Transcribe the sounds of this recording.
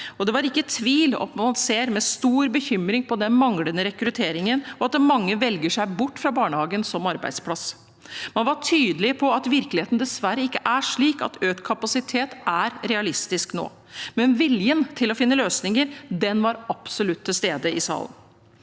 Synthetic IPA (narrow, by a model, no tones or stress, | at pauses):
ɔd̪ɛʋɑɾɪkːət̪ʰʋiːlɔ̰t̪mɑnseːɾmɛst̪uːɾbəçʏmɾɪŋpʰɔd̪ɛnmɑŋlənəɾɛkɾʉt̪ʰeːɾɪŋənɔɑt̪əmɑŋːəʋɛlɡəʂæɪbʊʈːfɾɑbɑːɳəhɑːɡənsɔmɑɾbæ̰ɪd̪spʰlɑs | mɑnʋɑʈʰyːd̪əlɪpʰɔɑt̪ʋɪɾklɪeːt̪n̩d̪ɛsʋæɾːəɪkːəʔæʂɭiːkɑ̰t̪øːt̪kʰɑpɑsɪt̪ʰeːt̪æɾɾɛɑlɪst̪ɪskno̰ː | mɛnʋɪljənt̪ʰɪlɔfɪnːəløːsnɪŋəɾd̪ɛnʋɑɾɑpsɔlʉt̪ʰːɪlst̪eːd̪əɪsɑ̰ːlə̰n